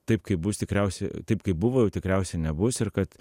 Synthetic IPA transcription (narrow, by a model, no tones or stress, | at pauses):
t̪ɐɪpkɐɪpbʊst̪ʲɪkɾʲɛʊsʲɛt̪ɐɪpkɐɪp̚bʊʋoːjɛʊt̪ʲɪkɾʲɛʊsʲɛnʲɛbʊsɪrkɐt̪